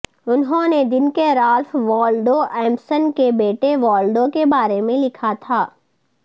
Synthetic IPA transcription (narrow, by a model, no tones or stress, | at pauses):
ʊnɦõned̪ɪnkeɾaːlfʋaːlɖoʔɛːmsənkebeːʈeʋaːlɖõkebaːɾemẽlɪkʰat̪ʰaː